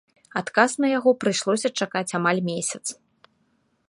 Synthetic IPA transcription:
at̪kasnɐjaɣɔpɾɨʂlˠɔsʲɐt͡ʂakat͡sʲamalʲmʲesʲɐt̪s

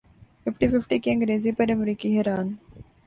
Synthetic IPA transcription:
fɪfʈifɪfʈikiɐ̃ŋɡɾeːzipɐɾɐmɾiːkiɦɛɾaːn

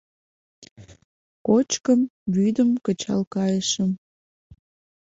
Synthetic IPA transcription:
kot͡ɕkəmβyd̪əmkət͡ɕɑ̰lkɑjəʃəm

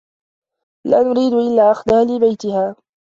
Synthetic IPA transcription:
laːnʊɾiːd̪ʊʔɪlːaːʔaxd̪ahaːlɪbajt̪ɪhaː

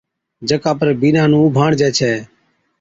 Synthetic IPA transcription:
d͡ʒəkaːpəɾbiːnãːnũːʊbʱaːɳd͡ʒɛːt͡ʃʰɛː

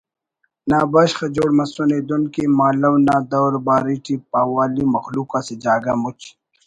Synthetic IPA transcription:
naːbaɕχad͡ʒoːɽmɐsoneːd̪unkimaːlɐwnaːd̪ɐwɾbaːɾiʈipaːwaːlimɐxluːkasid͡ʑaːɡɐmut͡ʃ

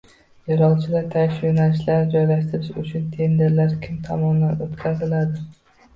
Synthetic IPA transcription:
jɒɾɒlˠt͡ʃʰɪd̪at̪ʰaʃjonalɪʃlaɾd͡ʒɒjlaʃt̪ɪɾɪʃʊt͡ʃʰʊnt̪ʰe̞nd̪e̞ɾlaɾkʲʰɪmt̪ʰɒmɒnd̪anot̪kʲʰazɪlad̪ɪ

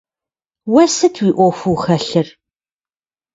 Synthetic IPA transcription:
wɐsɨtʰwiːʔʷɔxʷuːxɐɬɨr

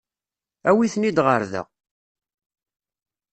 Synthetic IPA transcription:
æwiθnid̪ʁəɾðə̰ʁ

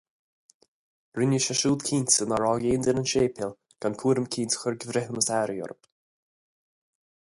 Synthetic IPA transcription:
ɾɪnjəʃaʃuːld̪kʰiːnsənaɹɔːɡeːnd̪ənənʃeːpʰɪl | ɡ̥ankʰuːɾəmkʰiːntxʊɹɡəvɾɪɦəməsɛɾəjɔ̰ɾp

